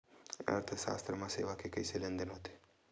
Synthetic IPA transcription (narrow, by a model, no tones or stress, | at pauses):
ɐ̰ɾt̪ʰəʃa̰st̪ɾəmãseʋakekəiselend̪ənɦot̪e̥